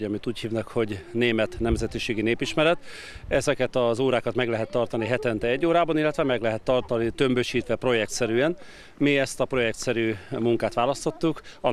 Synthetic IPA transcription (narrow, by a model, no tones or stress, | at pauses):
ɒmit̪uːchiːvnɛkho̞ɟneːmɛt̪nɛmzɛt̪iʃeːɡineːpiʃmɛɾɛt̪ | ɛzɛkɛt̪ɒzoːɾaːkɒt̪mɛɡlɛɦɛt̪ːɒrt̪ɒniɦɛt̪ɛnt̪ɛɛɟːoːɾaːbɒnilːɛt̪ʋɛmɛɡlɛɦɛt̪ːɒrt̪ɒnit̪ø̞mbøʃiːt̪ʋɛpro̞jɛk̚t̪sɛɾyːɛn | miɛst̪ɒpro̞jɛkt̪sɛɾyːmuŋkaːt̪ʋaːlɒst̪o̞t̪ːukɒ